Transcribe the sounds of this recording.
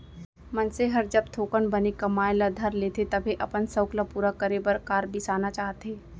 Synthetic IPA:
mɐnseɦɐɾd͡ʒɐb̚t̪ʰoːkənbɐnekɐmaːelad̪ʱɐɾleːt̪ʰet̪ɐbʱeʔɐpənsəʊklapuːɾakəɾebɐɾkaːɾbʱisaːnat͡ʃaːɦt̪eː

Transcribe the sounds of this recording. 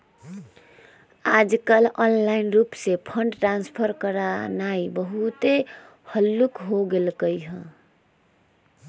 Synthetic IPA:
ad͡ʒkəlɔnlainɾupsepʰəɳɖʈɾanspʰəɾkəɾanaibəɦut̪e | həlːukɦoɡelkəjɦə̃

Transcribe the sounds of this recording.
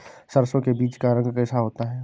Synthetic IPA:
sɐɾsõkebiːt͡ʃkaɾə̃ŋɡkɛːsaɦoːt̪aɦɛː

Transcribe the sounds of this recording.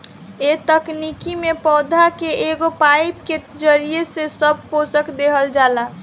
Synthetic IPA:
et̪əknikimepɔːd̪ʱakeeɡopaipked͡ʒəɾijesesəb̚ʱkosəkd̪eɦəld͡ʒaːla

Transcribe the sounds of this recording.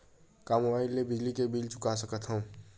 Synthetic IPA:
kaːmobaɪlːebɪd͡ʒlikebilt͡ʃʊ̥kasəkət̪ɦə̃

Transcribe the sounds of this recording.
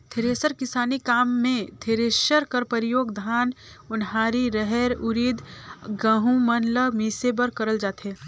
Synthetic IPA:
t̪ʰeːɾeːsəɾkɪsaːnikaːmːẽt̪ʰeːɾeːʃəɾkɐɾpəɾɪjoːɡd̪ʱaːn | ʊnɦaːɾiɾəɦɛɾʊɾiːd̪ɡəɦũmɐnləmiːsebəɾkɐɾəld͡ʒaːt̪ɦeː

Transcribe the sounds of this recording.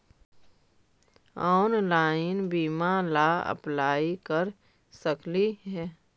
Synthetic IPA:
ɔːnlaːɪnbiːmalaə̰plaːikəɾ | səkliɦɛː

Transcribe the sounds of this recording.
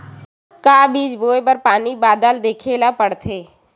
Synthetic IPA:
kaːbiːd͡ʒboːepəɾpaːnibaːd̪əld̪eːkʰeːlapəɽt̪ʰeː

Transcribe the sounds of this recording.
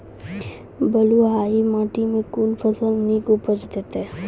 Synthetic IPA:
bəluɦaːimãːʈimẽkuːnpʰəsəlnĩkobət͡ʃd̪eːt̪eɦɛː

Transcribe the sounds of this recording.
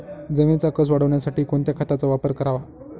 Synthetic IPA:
d͡zeʋit͡sakəs̬ʋaɽəʋɳjasaʈiːkoɳt̪jakʰat̪at͡sɔʋapəɾkəɾaʋa

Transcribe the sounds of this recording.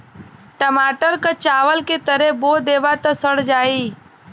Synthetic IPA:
ʈəmaːʈəɾkət͡ʃaːʋəlket̪əɾeboːd̪eːʋat̪əsəɽd͡ʒaːiː

